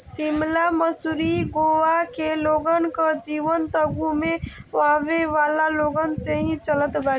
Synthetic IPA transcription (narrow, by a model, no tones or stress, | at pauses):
simlaməsuɾiɡoʋakeloːɡənkəd͡ʒiːʋənt̪əɡume | ʋaʋeʋaːlaloːɡənseɦĩt͡ʃələt̪ba